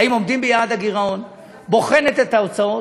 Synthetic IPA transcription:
aimo̞md̪imbejaːd̪aɡiʁaon | bo̞χe̞net̪et̪aot͡sao

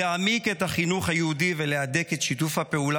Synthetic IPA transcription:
eamike̞thaχinuχhajeudiveleadeketʃitufhape̞ula

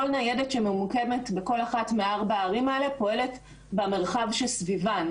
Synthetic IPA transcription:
olnajedetʃememukemetbeko̞laχatmeaʁbaːʁimaelepo̞e̞le̞t | bame̞ʁχavʃelsvivan

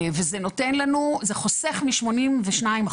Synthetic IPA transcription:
vezeno̞tenlanuzeχo̞seχmiʃmo̞nimveʃnaim

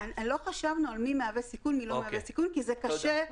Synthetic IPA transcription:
nlo̞χaʃavnualmimeavesikunmilomeavesikunkizekaʃe

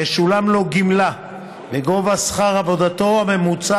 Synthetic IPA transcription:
eʃulamlo̞ɡimla | beɡo̞vasχaʁavo̞d̪at̪o̞ame̞mut͡sa

